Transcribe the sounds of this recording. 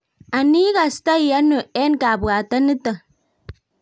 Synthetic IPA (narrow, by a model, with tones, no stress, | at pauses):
a˨ni˦ka˨sta˦˨ja˦no˨e˦nka˨bu˨ɡa˨ta˦nə˦tə˨